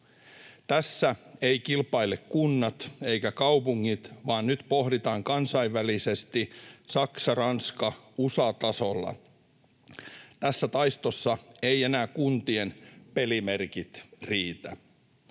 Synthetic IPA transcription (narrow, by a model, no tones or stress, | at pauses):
t̪æsːæeikilpɑilːekkunːɑt̪e̞ikækɑupuŋːit̪ʋɑːnnyt̪po̞hdit̪ɑːŋkɑnsɑjʋːælise̞st̪isɑksɑrɑnskɑusɑt̪ɑsolːɑ̰ | t̪æsːæt̪ɑist̪osːɑe̞ijenæːkunt̪ienpelimerkit̪riːt̪æ̰